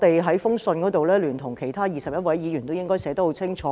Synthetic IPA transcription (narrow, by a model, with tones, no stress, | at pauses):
t̪e˨jɦɐ˨˥jfʊ˥ŋsɵ˧nkɔː˨˧˥t̪o˨wlɛː˥lyː˨˩nt̪ʰʊ˨˩ŋkʰe˨˩jt̪ʰaː˥jiː˨˩sɐ˨p̚jɐ˥t̚wɐ˨˥jjiː˨˧jyː˨˩nt̪o˥wjɪ˥ŋkɔː˥jsɛː˨˧t̪o˥ho˧˥wt͡sʰɪ˥ŋt͡ʃʰɔː˨˦˥